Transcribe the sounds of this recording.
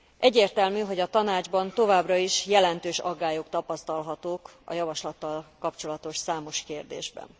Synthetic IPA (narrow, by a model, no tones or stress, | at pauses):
ʔɛɟːeːrt̪ɛlmyːɦo̞ɟɒt̪ɒnaːd͡ʒbɒnt̪o̞vaːbrɒiʃjɛlɛnt̪øːʃɒɡːaːjokt̪ɒpɒst̪ɒlɦɒt̪oːkɒ̰jɒvɒʃlɒt̪ːɒlkɒpt͡ʃo̞lɒt̪o̞ʃsaːmo̞ʃkeːrd̪ḛːʒbɛ̰n